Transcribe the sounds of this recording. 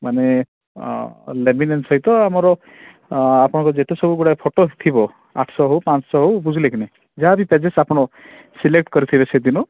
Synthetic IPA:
mane | leminensɔɦit̪ɔamɔɾɔ | apɔɽ̃ɔŋkɔd͡ʒet̪esɔbuɡuɽaepʰoʈot̪ʰibɔ | a̰ʈʰsɔɦewpat͡ʃɔ̥sɔɦowbud͡ʒʱilekʰine | d͡ʒabiped͡ʒesapɔɽ̃ɔ | silek̚ʈkɔɾit̪ʰibesed̪inɔ

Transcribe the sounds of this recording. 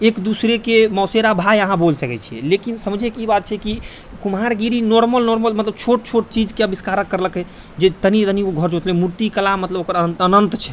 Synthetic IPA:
ekd̪usɾekemɔseɾabʱajəɦãbolsəkɛt͡ʃʰiɛ̰lekinsəməd͡ʒʱekibat̪̚t͡ʃʰɛki | kumɦaɾɡiɾinɔɾməlnɔɾməlmət̪ləb̚t͡ʃʰoʈ̚t͡ʃʰoʈ̚t͡ʃid͡ʒkeəbiskaɾəkːəɾləkɦɛ | d͡ʒet̪ənit̪ənikoɡʱəɾd͡ʒʰot̪lɛmuɾt̪ikəlamət̪ləbokəɾəənənt̪t͡ʃʰɛ̥

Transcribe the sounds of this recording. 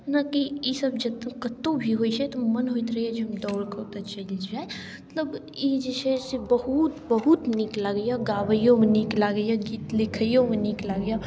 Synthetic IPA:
nakijesɐbd͡ʒɐt̪kɐt̪ːõbʱiɦoːit͡ʃɛt̪omɐnɦoːit̪ɾɐiɛd͡ʒmd̪ɔːɽkat̪ɐt͡ʃɐlid͡ʒaːe | ət̪ləb | jeːd͡ʒəʃɛsebɐɦut̪bɐɦʊt̪niklaɡəjaɡaːʋəjõmẽniːklaɡəjaɡiːt̪lɪkʰəijõmeniːklaɡja

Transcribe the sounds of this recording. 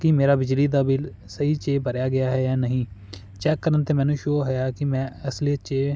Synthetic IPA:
kɪmeːɾaːbɪd͡ʒliːd̪aːbɪl | səiːt͡ʃeːbəɾjaːɡɪjaːɦɛːjaːnəɦĩː | t͡ʃɛːkːəɾənt̪eːmɛ̃ːnũːʃoːɦɛjaːkɪmɛ̃ːəslit͡ʃeː

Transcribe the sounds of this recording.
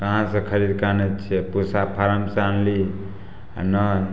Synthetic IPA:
kəɦãsə̃kʰəɾid̪kanɛt͡ʃʰɛpusapʰaɾəmsanli | a̰nə

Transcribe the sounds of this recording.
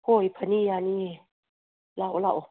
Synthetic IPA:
kojpʰanijanie | lawlaw

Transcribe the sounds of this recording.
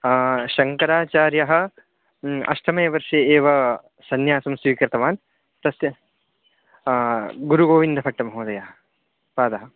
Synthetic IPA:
ʃɐŋkɐɾaːt͡ʃaːɾjɐɦɐ̆ | ɐ̰ʃʈʰɐmɐjɐʋɐɾʂeːeːʋɐ | sɐnjaːsɐmsʋiːkɾɪt̪ɐʋaːn | t̪ɐsjɐ | ɡuɾuɡoːʋind̪ʱɐpʰɐʈːɐmɐɦoːd̪ɐjaɦɐ | paːd̪ɐɦɐ̆

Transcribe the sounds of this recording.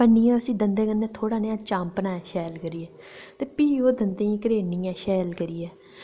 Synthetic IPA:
ənːiːãːəsĩːd̪ənd̪eːkənːẽːt̪ʰoːɽaːneãːt͡ʃãːmpənaːɛːʃɛːlkəɾiːɛː | t̪eːpiːoːd̪ənd̪ẽːĩːkəɾeːniːɛ̃ːʃɛːlkəɾiːɛː

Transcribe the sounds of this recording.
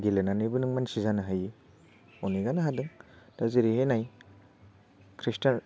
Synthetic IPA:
ɡilenanɯjbɯnɯŋmansizanɯɦaji | ɔniɡanaɦadɯŋd̥aziɾihenaj | kʰɾista

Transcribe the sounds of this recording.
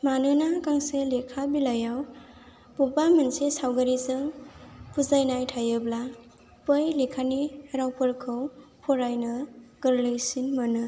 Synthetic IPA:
manɯnakaŋselekʰabilajaw | pupamɯnsesawɡaɾizɯŋpuzajnajtʰajɯbla | pɯjlekʰaniɾawpɯɾkʰɯwpʰɔɾajnɯɡ̥ɯɾlɯjsinmanɯ

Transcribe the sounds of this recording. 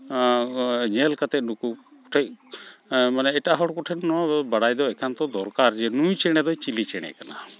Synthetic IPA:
ɲɛlkat̪ɛnukukɔ̥ʈʰɛc̚ | manɛɛʈaɦɔɽkɔʈʰɛnɔabaɽajd̪ɔɛkʰant̪ɔd̪ɔɾkaɾd͡ʒɛnujt͡ʃɛɽ̃ɛd̪ɔt͡ʃilit͡ʃɛɽ̃ɛ̰kana

